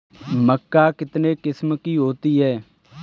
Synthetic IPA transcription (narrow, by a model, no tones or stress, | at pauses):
məkːaːkɪt̪nekɪsmkiɦoːt̪iɦɛː